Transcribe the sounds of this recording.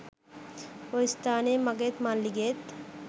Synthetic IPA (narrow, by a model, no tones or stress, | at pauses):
ojst̪aːnemɐɡet̪manliɡet̪